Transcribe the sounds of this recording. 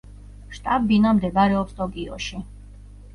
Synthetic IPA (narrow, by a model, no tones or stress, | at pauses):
ʃt̪ʼab̚binamd̪ɛɡaɾɛɔpst̪ʼɔkʼiɔ̰ʃi